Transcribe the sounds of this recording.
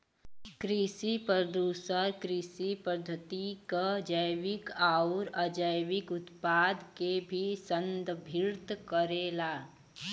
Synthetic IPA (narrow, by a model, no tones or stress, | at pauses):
kɾisipəd̪uːsəɾkɾisipəd̪ʱːət̪ikad͡ʒəjwɪkaːʊɾəd͡ʒəjwɪkʊt̪paːd̪kebʱisənd̪bʱɪɾt̪kəɾeːlaː